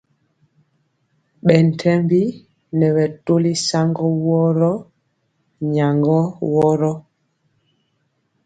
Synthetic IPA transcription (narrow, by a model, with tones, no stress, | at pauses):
ɓɛ˨n̩˨tʰɛ˦mbi˦ | nɛ˨ɓɛ˨to˦li˦sa˦ŋɡɔ˦wɔ˦ɾɔ˦ | ɲa˨ŋɡɔ˦wɔ˦ɾɔ˦